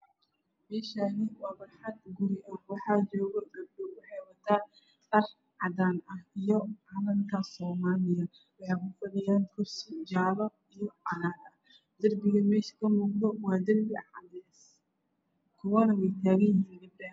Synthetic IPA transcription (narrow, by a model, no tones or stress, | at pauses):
mɛːʃanɪwɑːβɐħɑd̪̚ɡʊɾɪʔɐwɑħɑːt͡ʃɔːɣɐd̪ɐrbʊrwɑħɑjwɐt̪ʰaː | tɐr | ʕɑd̪aːnɐhijɔʕɑnɐŋkʰɐsɔːmaːlɪjɐ | wɑħɑjkʰʊfɐdɪjaːŋkʰʊrsɪd͡ʒaːlɔ | ijɔɐnaːnɐ | d̪̥ɐrbɪɣɐmɛːʃkʰɐmuːqd̪ɔwɑːd̪ɐrbɪ | kʰʊwɐnɐwɛjt̪ʰaːɣɐjɪhiːnlɪbbɐ